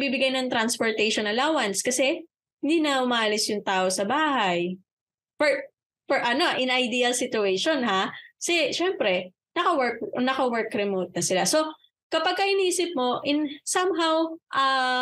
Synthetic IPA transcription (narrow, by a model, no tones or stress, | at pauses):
bibɪɡajnɐŋt̪ɾɐnspoɹt̪ɛjʃonɐlaːwɐnskɐsɛ | hɪnd̪iːnɐʊmaːʔɐlɪsjʊŋt̪aːʔosɐbaːɦɐj | fɛɹ | fɔɹʔɐno̞ʔɪnʔɐjd̪iːɐlsɪt̪ʊejʃonɦakɐsɛʃɛmpɾɛ | nɐkɐwɛɹk̚nɐkɐwɛɹkɾɛmoːt̪̚nɐsɪlaso̞ | kɐpɐɡ̚kɐʔɪniːsɪp̚mo̞ʔɪnsɐmɦawʔɐ